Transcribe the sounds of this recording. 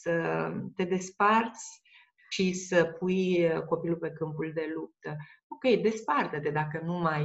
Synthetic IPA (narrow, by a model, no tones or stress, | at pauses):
sət̪e̞d̪e̞spart̪sʲ | ʃisəpujko̞pilupe̞kɨmpuld̪e̞lup̚t̪ə | o̞kʲe̞jd̪e̞spart̪əd̪ed̪akənumaj